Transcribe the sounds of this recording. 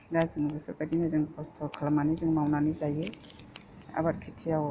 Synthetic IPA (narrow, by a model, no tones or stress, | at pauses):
daziŋuɡipʰeɾkadinazɯŋpʰɔstʰɔkʰalamanizɯŋmawnanizaje | a̰bat̚kʰitʰijaw